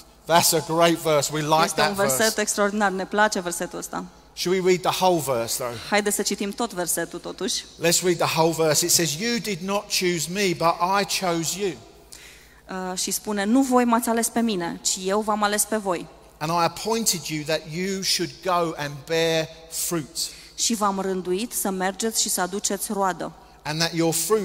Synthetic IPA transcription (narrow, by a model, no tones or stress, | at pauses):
ðætsəɡɹeɪtvɜ˞swilaɪst̪eəunveset̪ekst̪ɾaord̪inarne̞plat͡ʃe̞ve̞rse̞t̪uəst̪a̰ | ʃəwiɹiːd̪̚ðəhoʊlˠvɜˑ˞sðoʊhajd̪esʲsət͡ʃit̪imt̪o̞t̪ve̞rse̞t̪ut̪o̞t̪uʃʲlətsɹiːd̪̚ðəhoʊlˠvɜˑ˞sɪtsɛzjɨdɪdⁿnət̚t͡ʃʰʉːzmibʌɾaɪt͡ʃʰoʊzjʉ | ʃispune̞nuvo̞jmat̪sʲale̞spe̞mine̞̰t͡ʃije̞wvamale̞spe̞vo̞j | ə̃ñaɪəpʰɔ̃ɪ̃ntʰɪd͡ʒɨðət͡ʃɨʃɨd̚ɡoʊʔə̃nbɛɹ | fɹʉˑt | ʃivamrɨnd̪uit̪səme̞rd͡ʒe̞t̪sʲʃisəad̪ut͡ʃe̞t̪sʲroad̪ə̰ | ə̃nðət͡ʃəfɹʉˑ